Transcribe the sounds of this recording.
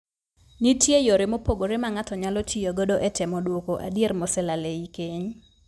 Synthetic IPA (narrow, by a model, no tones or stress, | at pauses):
nitjejoɾɪmopoɡoɾɪmaŋatɔɲalɔtijoɡodoʔɛtɛmɔdwokoʔa̰djermɔsɛlaleikeɲ